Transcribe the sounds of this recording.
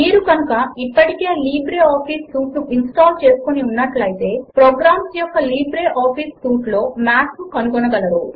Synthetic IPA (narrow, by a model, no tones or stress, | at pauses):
miːɾukɐnukɐipːɐʈike̞ːliːbɾe̞ːaːpʰiːsːuːʈnuʔinsʈaːlt͡ʃe̞ːsu̥koniunːɐʈlɐjit̪e̞ːpɾoːɡɾaːmsjɔkɐliːbɾeːʔaːpʰiːstuːʈlo̞ːmaːʈukɐnuɡɔnɐɡɐlɐɾṵ